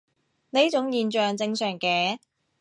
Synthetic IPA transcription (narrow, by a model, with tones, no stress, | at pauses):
neː˥t͡sʊ˨˥ŋjiː˨˧nt͡ʃœː˨ŋt͡sɪ˧ŋsœː˨˩ŋkɛː˧˥